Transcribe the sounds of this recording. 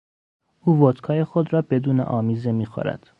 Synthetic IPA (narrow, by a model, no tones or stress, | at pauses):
ʔuːvot̪kʰɒːjexod̪ɾɒːbe̞d̪uːnḛʔɒːmiːze̞miːxɑ̰ɾæ̰d̪̥